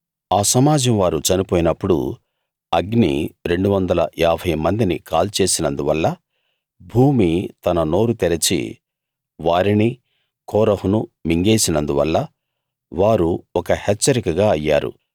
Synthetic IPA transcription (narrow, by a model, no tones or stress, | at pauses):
aːsɐmaːd͡ʒɐmʋaːɾut͡ʃɐnipoːjinɐpːuɽṵ | ɐɡnḭɾe̞ɳɖuʋɐnd̪ɐlɐʔaːbʱʰɐjmɐnd̪inikaːlt͡ʃe̞ːsinɐnd̪uʋɐlːɐ | bʱuːmit̪ɐnɐno̞ːɾut̪eɾɐt͡ʃḭ | ʋaːɾini | kʰɔːɾɐɦunumiŋɡe̞ːsinɐnd̪uʋɐ̰lːɐ | ʋaːɾuɔkɐhet͡ʃːɐɾikɐɡaːɐjːa̰ːɾṵ